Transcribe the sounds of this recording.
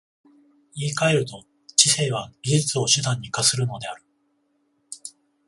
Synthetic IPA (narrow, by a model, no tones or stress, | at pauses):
iːkae̞ɾɯ̟t̪o̞ | t͡ɕiseːβaɡʲiʑit͡sɨo̞ɕɨd̪ãɲ̟ːikasɨɾɯ̟no̞d̪e̞aɾ̟